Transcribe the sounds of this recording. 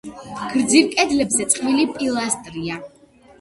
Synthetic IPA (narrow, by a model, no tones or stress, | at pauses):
ɡ̥ɾd̪ziɾkʼɛd̪lɛbzɛt̪sʼqʼmilipʼilˠast̪ʼɾia